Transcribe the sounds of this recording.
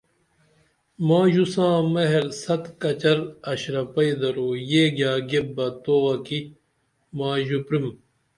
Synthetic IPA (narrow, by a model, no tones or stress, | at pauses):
mãːʑusãːmɐɦeɾsɐt̪kɐt͡ɕɐɾɐɕɾɐpɐid̪ɐɾoːjeːɡjaːɡebːɐt̪oːwɐki | maːʑupɾim